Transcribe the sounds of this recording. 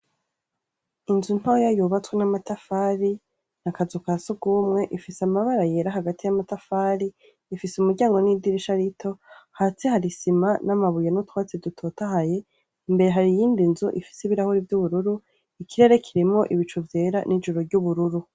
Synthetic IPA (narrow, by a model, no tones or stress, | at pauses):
inzun̥hojajuβat͡swenamatafaːɾi | nakazukasoɡuːmŋe̞ʔifisamaβaɾajeɾaɦaɡatijamatafaːɾiː | fiseumuɾɟaːŋɡo̞nidiɾiʃaɾitʰo̞hat͡sehaɾisimanamaβujenutwaːt͡sedutʰo̞taɦaje̞ | imbe̞ɾe̞ɦaɾijiːndinzuʔḭfi̥siβiɾahoɾivjuβuɾuɾu | ikʰiɾe̞ɾe̞kʰiɾimŋo̞ʔiβit͡ʃuvje̞ːɾanʔid͡ʒuɾoɾɟuβuɾuɾu